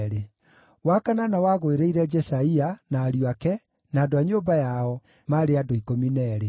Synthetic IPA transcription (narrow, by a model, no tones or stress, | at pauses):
ɾe | wakananawaɣoeɾeiɾɛd͡ʒɛsaianaːɾjwakɛ | naːdoaɲoːmbajaɔ | maɾeadoikominɛɾe